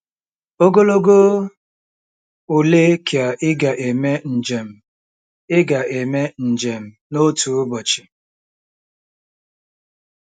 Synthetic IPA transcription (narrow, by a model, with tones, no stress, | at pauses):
o˦ɡo˦lo˦ɡo˦ | u˨le˦kʰi˨a˨ʔɪ˦ɡa˨ʔe˨me˦n̩˨d͡ʒe˨m̩˨ | ɪ˦ɡa˨ʔe˨me˦n̩˨d͡ʒe˨m̩˨no˦tu˨ʊ˦bɔ˨t͡ʃɪ̥˨